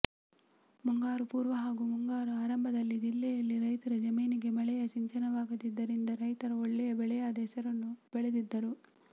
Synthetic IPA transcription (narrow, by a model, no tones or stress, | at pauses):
muŋɡaːɾupuːɾʋɐɦaːɡumuŋɡaːɾuaːɾɐmbʱɐd̪ɐlːid͡ʒilːɛjɐlːiɾɐjt̪ɐɾɐd͡ʒɐmiːniɡe̞mɐɭɛjɐʃiɲt͡ʃɐnɐʋaːɡɐd̪id̪ːɐɾind̪ɐɾɐjt̪ɐɾɐɔɭːɛjɐbɛɭɛjaːd̪ɐːsɐɾɐnːub̥ɛɭed̪id̪ːɐɾu